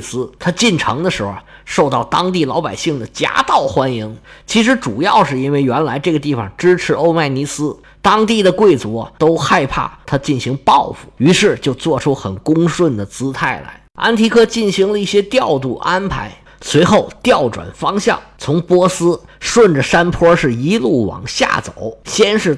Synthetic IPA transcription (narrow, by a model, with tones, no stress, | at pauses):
sɹ̩˥t̪ʰa˥t͡ɕi˥˩nʈ͡ʂʰɤ̰˧˥ŋd̪ə˧ʂɻ̩˧˥xʊ̰˧˩ | ʂo˥˧ʊt̪ɑ˥˩ʊt̪ɑ˥ŋt̪̬i˥˩lɑ˧˥ʊpa˨˩ɪɕi˥˩ŋd̪ə˩t͡ɕja̰˥t̪ɑ˥˩ʊxwa˥nji˧˥ŋt͡ɕʰi˧˥ʂ̬ɻ̩˧˥ʈ͡ʂu˨˩jɑ˥˧ʊʂɻ̩˥˩i˥nwe˥˩ɪɥɛ˧˥nla˧˥ɪʈ͡ʂɤ˥˩ɡə˩t̪̬i˥˩fɑ̰˨˩ŋʈ͡ʂɻ̩˥ʈ͡ʂʰɻ̩˧˥o˥˧ʊma˥˩ɪni˧˥sɹ̩˥ | t̪ɑ˥ŋt̪i˥˩d̪ə˩kwe˥˩ɪt͡sṵ˧˥˧t̪o˥ʊxa˥˧ɪpʰa̰˥˩t̪ʰa˥t͡ɕi˥˩nɕi˧˥ŋpɑ˥˩˧ʊfu̥˨˩y˧˥ʂɻ̩˥˧t͡ɕjo˥˧ʊt͡swɔ˥˩ʈ͡ʂʰu˥xə˨˩nkʊ˥ŋʂwə˥˩nd̪ə˩t͡sɹ̩˥t̪ʰa˥˩ɪla̰˧˥ɪa̰˥nt̪ʰi˧˥kʰɤ˥t͡ɕi˥˩nɕi˧˥ŋlə˧i˥˩ɕjɛ˥t̪jɑ˥˧ʊt̪u˥˩ʔa˥npʰa˧˥ɪ | swe˧˥ɪxo˥˩ʊt̪jɑ˥˩ʊʈ͡ʂwa̰˨˩nfɑ˥ŋɕjɑ̰˥˩ŋt͡sʰʊ˧˥ŋpwɔ˥sɹ̩˥ʂwə˥˩nʈ͡ʂə˩ʂa˥npʰwɔ˥ʂɻ̩˥˩i˥lu˥˩wɑ̰˨˩˦ŋɕja̰˥˩t͡so̰˨˩˦ʊɕjɛ˥nʂɻ̩˥˩